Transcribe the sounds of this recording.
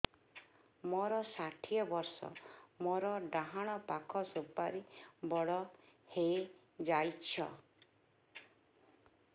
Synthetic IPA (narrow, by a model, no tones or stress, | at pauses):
mɔɾɔsaʈʰiɔbɔɾsɔ̰mɔɾɔɖaɦaɽ̃ɔpakʰɔsobːaɾibɔɽɔhej | d͡ʒajt͡ʃʰɔ̰